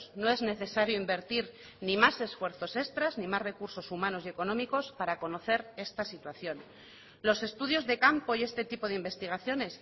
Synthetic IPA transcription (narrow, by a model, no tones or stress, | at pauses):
sno̞e̞zne̞θe̞saɾjoimbe̞ɾt̪iɾ | nimase̞sfwe̞ɾθo̞se̞st̪ɾaznĩmazre̞kuɾso̞sumãno̞sje̞ko̞nõ̞miko̞spaɾako̞no̞θe̞ɾe̞st̪asit̪waθjo̞n | lo̞se̞st̪uðjo̞zðe̞kampo̞ie̞st̪e̞t̪ipo̞ðeimbe̞st̪iɣ̞aθjo̞ne̞s